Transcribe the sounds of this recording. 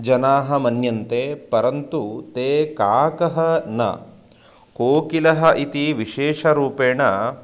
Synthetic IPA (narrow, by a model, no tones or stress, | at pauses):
d͡ʒɐnaːɦɐmɐnjɐnt̪epɐɾɐnt̪ut̪eːkaːkɐɦɐnɐ̰ | koːkilɐɦɐʔit̪iʋiʃeːʂɐɾuːpeːɳɐ